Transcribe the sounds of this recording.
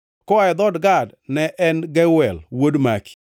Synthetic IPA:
kɔaɛd̪ɔdɡadnɛʔɛnɡɛwɛlwodmaki̥

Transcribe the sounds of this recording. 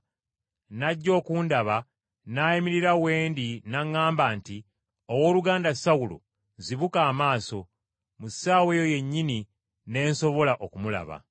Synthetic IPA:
naɟːo̞ːkuːndaβa | naːjimiɾiɾawe̞ːndinaŋːaːmbaːnti | owo̞ːluɡaːndasawulo̰ | ziβukaːmaːso̞ | musaːwe̞ːjoje̞ɲːini | ne̞ːnso̞βo̞laʔo̞kumula̰βa̰

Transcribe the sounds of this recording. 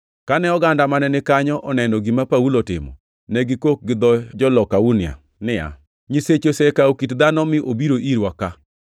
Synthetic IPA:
kanɛɔɡandamanɛnɪkaɲɔʔɔnɛnɔɡimapaulotɪ̰mɔ̰ | nɛɡɪkok̚ɡɪd̪ɔd͡ʒɔlɔkaunja̰ | nɪja̰ | ɲiset͡ʃosɛkaokitd̪anɔmɪʔobiɾoʔiɾwaka

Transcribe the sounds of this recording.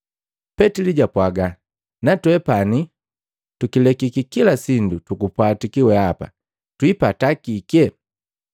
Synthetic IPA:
pɛtiliɟapwaɡa | natwɛpani | tukilɛkikikilasindutukupwatikiwɛapa̰ | twipatakikɛ

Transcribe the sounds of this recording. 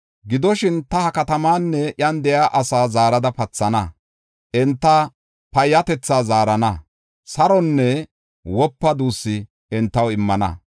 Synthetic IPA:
ɡɪd̪ɔʃɪnt̪ɐhɐkɐt̪ɐmaːnːɛʔjɐnd̪ɛjaːʔɐsaːzaːɾɐd̪ɐpɐt͡sːɐnɐ | ʔɛnt̪ːɐ | pɐjːɐt̪ɛt͡sːaːzaːɾɐnɐ | sɐɾɔnːɛ | wɔpːɐd̪uːsːɪ | ɛnt̪ːɐwɪmːɐnɐ̰

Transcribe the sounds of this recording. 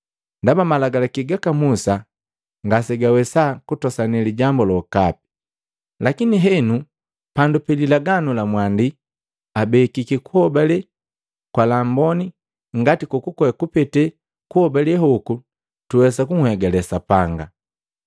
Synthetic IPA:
ndabamalaɡalakiɡakamusa | ŋɡasɛɡawɛsakutɔsanɛliɟambɔlɔkap̚i̥ | lakiniɦɛnu | pandupɛlilaɡanulamwandi | abɛːkikikuhɔbalɛ | kwalambɔni | ŋɡatikukukɔɛkupɛtɛ | kuhɔbalɛɦɔku | tuwɛsakuŋ̩hɛɡɛlɛsapaŋɡa̰

